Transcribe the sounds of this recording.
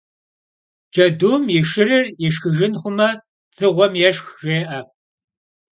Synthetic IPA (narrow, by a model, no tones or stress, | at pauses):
d͡ʒɐduːmjɪʃɨrɨrjɪʃxɨʒɪnχʷʊmɐ | t͡sɨʁʷɔmjɛʃxʒ̥eːʔɐ